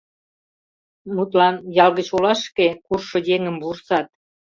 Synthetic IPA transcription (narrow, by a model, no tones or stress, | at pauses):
mut̪lɑnjɑlɣət͡ɕolɑʃkekurʃŏjeŋəmbursɑt̪̚